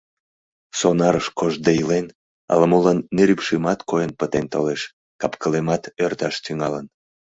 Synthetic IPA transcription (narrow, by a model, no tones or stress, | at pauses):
sonɑɾəʃkoʒd̪ejilen | ɑ̰lmolɑnːeɾypʃimɑt̪kojənpət̪ent̪oleʃ | kɑpkəlemɑt̪ørt̪ɑʃt̪yŋɑlən